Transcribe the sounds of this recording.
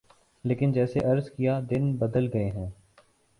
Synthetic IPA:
leːkɪnd͡ʒɛːseʔɐɾzkijad̪ɪnbɐd̪əlɡɐeɦɛ̃ː

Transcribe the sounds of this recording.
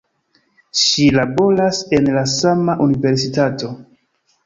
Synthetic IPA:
ʃilabo̞ɾase̞nlasamaʔunive̞ɾs̬itato̞

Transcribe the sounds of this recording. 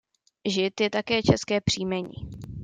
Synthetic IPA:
ʒɪt̪jɛt̪akɛːt͡ʃɛskɛːpr̥iːmɛɲḭː

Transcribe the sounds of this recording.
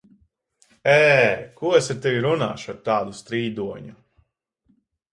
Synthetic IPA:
ɛːkuɔesaɾt̪evʲiɾuna̰ːʃuaɾt̪aːd̪ust̪ɾiːd̪uɔɲu

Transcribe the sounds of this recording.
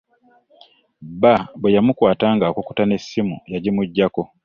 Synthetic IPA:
babwe̞jamukwaːtaːŋɡakoku̥tane̞sːimṵjaɟimuɟːako̞

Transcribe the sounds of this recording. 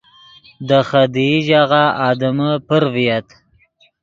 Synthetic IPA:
d̪əxad̪iʒaɣaɑd̪əməpəɾvijat̪

